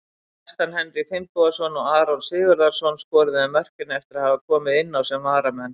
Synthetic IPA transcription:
ɛst̪anhɛnɾɪɣfɪmpɔðasɔnɔɣaːɾɔnsɪːɣʏɾðasɔnskɔːɾɪðɪɛmɛr̥kcɪnaɛft̪ɪɾaðhavakʰɔːmɪðɪnːawsɛmvaːɾamɛnː

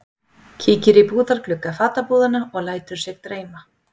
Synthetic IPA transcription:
cʰiːcɪɾɪpuːðaɾklʏkːafaːt̪apuːðanaɔɣlaːjt̪ʏɾ̥sɛɣt̪ɾeːjma

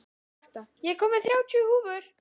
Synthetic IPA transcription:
t̪ajɛkʰɔːmɪθɾjaːwt͡ɕʰʏhuːvʏɾ̥

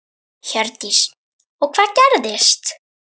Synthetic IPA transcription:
çœɾt̪is | ɔɣkʰv̥aːðcɛɾðɪst̪

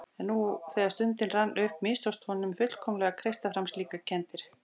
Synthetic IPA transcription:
ɛnːuθɛːðast̪ʏnt̪ɪnranːʔʏhpmɪst̪ɔwst̪ʰvɔnːʏmfʏt̪l̥kʰɔwmlɛɣakʰɾejst̪afɾamst̪liːkacʰɛnt̪ɪɾ̥

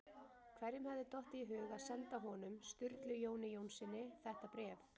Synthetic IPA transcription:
kʰvɛɾjɪmhɛvðɪt̪ɔht̪iɦʏːɣaðsɛnt̪aɦɔnʏmst̪ʏɾt̪lʏjoːwnɪjownsɪnːɪθɛht̪apɾɛːf

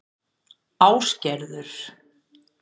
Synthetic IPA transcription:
aːwscɛɾðʏɾ̥

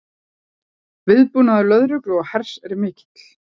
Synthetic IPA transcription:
vɪðpunaðʏlœðɾʏklɔɣhɛr̥sɛɾɪmɪːcɪ̥t̪l̥

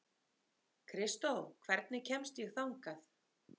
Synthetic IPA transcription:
kʰɾɪst̪owkʰvɛɾt̪̚nɪcʰɛmst̪jɛɣθawŋkaθ

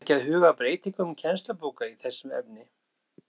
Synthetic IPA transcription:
cɪaðhʏːɣapɾeːjt̪iŋkʏmcʰɛnst̪lapoːkaiθɛsːʏmɛ̰pnɪ

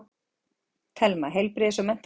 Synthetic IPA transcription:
t̪ʰɛlmaɦejlpɾɪsɔmɛn̥t̪

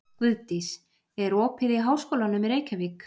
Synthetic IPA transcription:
kvʏðt̪is | ɛɾɔːpʰɪðiɦaːwskoːlanʏmɛɾeːjcavik

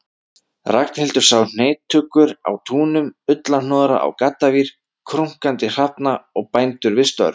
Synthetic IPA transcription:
rak̚nhɛlt̪ʏ̥saːwn̥eːjt̪ʰːʏkːʏɾa̰wt̪ʰuːnʏmʏt̪lanɔːðɾa̰ʔa̰wkat̪ːaviɾ̥ | kʰɾuŋ̥kant̪ɪr̥apnaɔɣpaːjnt̪ʏɾvɪst̪œ̰ɾ

